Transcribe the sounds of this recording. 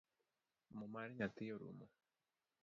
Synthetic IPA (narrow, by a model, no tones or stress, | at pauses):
mumaɾiɲat̪ijoɾṵmo